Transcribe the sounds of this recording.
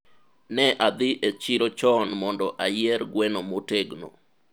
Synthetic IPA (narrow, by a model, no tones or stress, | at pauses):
nɛʔad̪ɪʔet͡ʃiɾot͡ʃɔnmɔndɔʔajɛɾɡwɛnomoteɡno̰